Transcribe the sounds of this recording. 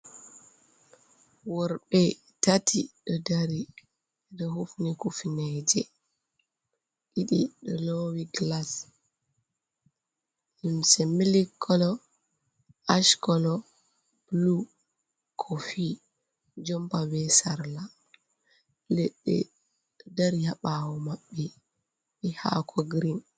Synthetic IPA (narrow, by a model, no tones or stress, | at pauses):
wɔɾɓɛ | tatiɗɔdaɾi | ɛɗɔɦufnikufinɛd͡ʒɛ | ʔiɗiɗɔlɔwiɡlas | nimsɛmilikːɔlɔ | aʃkɔlɔ | b̥lu | kʰɔfi | d͡ʒɔmpawɛsaɾla | lɛɗːɛ̰ | daɾihaɓawɔmaɓːi | ɓɛha̰kʰɔɡɾin